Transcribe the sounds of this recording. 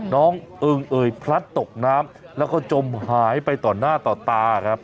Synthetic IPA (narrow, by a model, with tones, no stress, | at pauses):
nɔː˦˥ŋʔɯ˧ŋʔɤː˨˩jpʰɾa˦˥t̪ːo˨˩k̚naː˦˥m | lɛː˦˥wkɔː˥˩t͡ɕo˧mhaː˩˦jpa˧jt̪ɔː˨˩naː˥˩t̪ɔː˨˩t̪aː˧˨˩kʰɾa˦˥p̚